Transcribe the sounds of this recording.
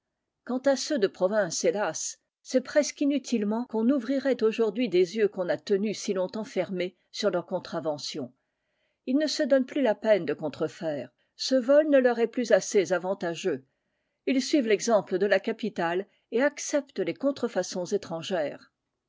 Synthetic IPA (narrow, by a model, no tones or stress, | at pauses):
kɑ̃t̪asød̪əpχɔvɛ̃selasː | ɛpχɛskinyt̪ʰilmɑ̃kɔ̃nuvʁiʁɛt̪oʒuʁd̪ɥid̪ezjøkɔ̃nat̪ənysilɔ̃t̪ɑ̃fɛʁme | syʁlœʁkɔ̃t̪χavɑ̃sjɔ̃ | ilnəsəd̪ɔnplylapɛnd̪əkɔ̃t̪χəfɛːʁ | səvɔlnəlœʁɛplyzasezavɑ̃t̪aʒø | ilsɥivlɛɡzɑ̃pləd̪əlakapit̪al | eaksɛpt̪əlekɔ̃t̪χəfasɔ̃zet̪χɑ̃ʒɛːʁ